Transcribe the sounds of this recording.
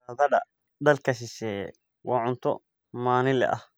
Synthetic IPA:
ɐðɐdɐ̰ | d̪ɐlkʰɐs̬ɪsɛːjɛ̰ | wɑːʕʊnt̪ʰɔ̰ | maːnɪlɛ̰ʔɐh

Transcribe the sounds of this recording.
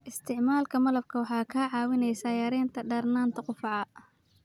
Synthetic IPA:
ʔɪst̪ʰɪʕmaːlkʰɐmɐlɐb̚kʰɐwɑħɑːkʰɐʕɑːwɪnɛjsɐjɐɾɛːnt̪ʰɐɖɐrnaːnt̪ʰɐqʊfɑʕɑ

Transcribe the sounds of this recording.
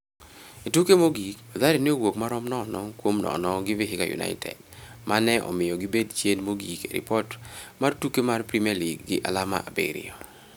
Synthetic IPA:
itukemoɡikad̪aɾineowokmaɾɔmnɔnɔkwomnɔ̰nɔɡɪvɪɦɪkajṵna̰ɪtʰɛ̰dmʔanɛʔɔ̰mɪjɔɡɪbedt͡ʃenmoɡikeɾḭpɔtmartukemarpɾimaliɡːɪʔalama̰ʔabḛɾɪ̰ɔ

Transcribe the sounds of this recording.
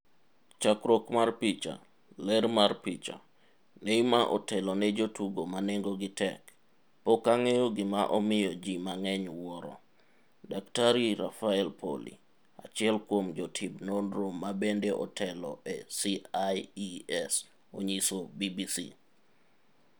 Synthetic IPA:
t͡ʃakɾokmarpit͡ʃa̰ | lɛɾmarpit͡ʃa̰ | nejmaʔɔ̰tɛlɔnɛd͡ʒotuɡomaneŋɡoɡɪtɛk | pokaŋɛjoɡɪmaʔɔmɪjɔd͡ʒimaŋɛɲwɔɾɔ̰ | daktaɾiɾafaɛlpʰo̰lḭ | at͡ʃɪɛlkwomd͡ʒɔtʰɪbnonɾomːabendeʔɔ̰tʰɛlɔ̰ʔɛsiaiɛs | oɲisobibisḭ

